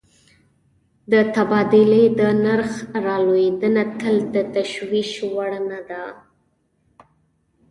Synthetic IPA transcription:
d̪ət̪abɑd̪ɪled̪ənaɾxɾɑlojed̪ənat̪əld̪ət̪aʃwiʃwaɽnad̪a

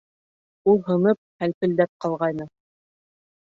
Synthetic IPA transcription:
ulˠɦɤ̆nɤp̚hælpɵ̆ld̪æp̚qɑlˠʁɑjnɤ

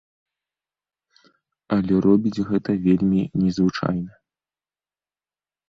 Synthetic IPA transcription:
ɐlʲɛrɔbʲid͡zʲɣɛt̪ɐvʲelʲmʲinʲɛzvɨt͡ʂa̰jnɐ

